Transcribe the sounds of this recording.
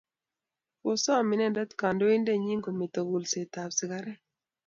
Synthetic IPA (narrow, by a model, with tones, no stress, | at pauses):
o˦sɔ˦˨mɪ˨˦nɛ˦nda˦t̪ka˨ndo˦i˦nde˦˨ɲi˦ŋɡo˨mɪ˨t̪o˨ɡu˨lse˨t̪a˨psɪ˨ka˦ɾɛ˦